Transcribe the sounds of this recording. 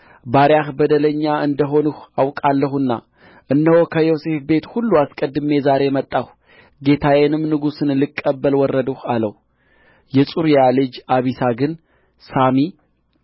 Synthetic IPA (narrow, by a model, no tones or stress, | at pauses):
baɾjahbəd̪ələɲːaɨnd̪əɦo̞nuhawkʼalːəɦuɨnːa̰ | ʔɨnːəhokʰəjose̞fbe̞t̪hulːuaskʼəd̪ɨme̞zaɾe̞mət̪ʼːah | ɡe̞t̪ʰawenɨmnɨɡusɨnlɨkʼːəbːəlwɔrːəd̪uhaləh | jɛsʼuɾjalɨd͡ʒaβisaɡɨn | sami